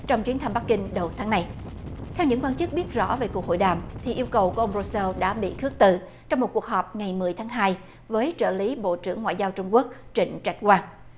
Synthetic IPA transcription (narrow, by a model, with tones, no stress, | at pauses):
t͡ɕɔ˧wŋ͡mt͡ɕwi˨˦ənt̪ʰa˧mɓa˦˥k̚ːï˧ŋ̟ɗə˨˩wt̪ʰaː˨˦ŋna˧j | t̪ʰɛ˧wɲɨ̰˧˥ŋkwaː˧nt͡ɕɨ˦˥k̚ɓi˦˥ət̚zɔ̰˧˥veː˨˩ku˨˩k̚ɦo̰˧˨jɗaː˨˩mt̪ʰi˨˩ʔi˧əwkə˨˩wku˧˩ʔə˧wŋ͡mzo˧sɛ˧lɗa̰ː˧˥ɓḭ˧˨kɨ˦˥ək̚t̪ɨ˧˨˩ | t͡ɕɔ˧wŋ͡mmo˨˩t̚ku˨˩ək̚ɦɔː˨˩p̚ŋa˨˩jmɨ˨˩əjt̪ʰːŋɦaː˧j | vəː˨˦jt͡ɕə̰ː˧˩li˨˦ɓo̰˧˨t͡ɕɨ̰˧˩əŋːwa̰ː˧˨jzaː˧wt͡ɕʊ˧ŋ͡mku˦˥ək̚t͡ɕï˧˩ŋ̟t͡ɕa˦˥jk̟̚kwaː˧ŋ